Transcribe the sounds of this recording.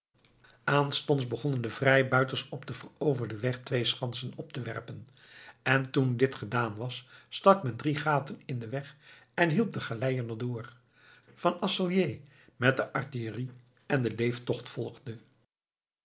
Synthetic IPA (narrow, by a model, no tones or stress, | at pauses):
ʔaːnstɔntzbəχɔnəndəvrɛjbœɥtənsɔpdəvərowvəɹdəʋɛχtʋejsχɑnsənɔp̚təʋɛ̰ɹpən | ɛntundɪtχədaːnʋɑsːtɑkmɛndriχaːtənɪndəʋɛχɛnɦilˠp̚dəχalɛjənədʊːɹ | v̥ɑnɑsəlˠjej | mɛt̚dəʔɑɹtiəri | ɛndəlejftɔχtfɔlˠʁdə